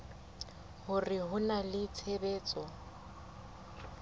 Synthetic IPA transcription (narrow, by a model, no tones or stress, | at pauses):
hʊrɪɦʊnalɪt͡sʰebeːt͡sʼɔ